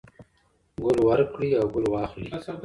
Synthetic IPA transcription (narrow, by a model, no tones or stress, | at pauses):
ɡʊlwaɾkɽiawɡʊlwɑːxli